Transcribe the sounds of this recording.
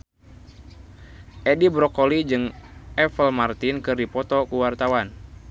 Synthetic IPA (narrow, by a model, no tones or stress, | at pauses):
ʔɛdibɾɔkɔlid͡ʒɨŋʔɛfəlmart̪inkɨrdipɔt̪ɔkuwart̪awan